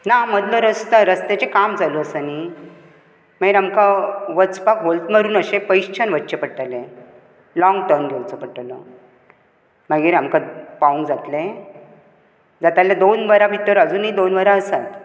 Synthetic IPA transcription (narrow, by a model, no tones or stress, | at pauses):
nam̤əd̪ləɾəst̪əɾəst̪et͡ɕekamd͡zaloəsani | m̤aɡiɾamkaʋət͡spakbolt̪məɾuːnəɕẽpəjɕt͡ɕʰənʋət̪ːɕepəɽʈ̪alẽ | lɔŋɡʈəɾnɡʱewt͡səpəʈalɔ | maɡiːɾamkapaũnd͡zat̪lẽ | d͡zat̪aljad̪onʋəɾaʋʱit̪əɾəd͡zuːnɦid̪onʋəɾaəsat̪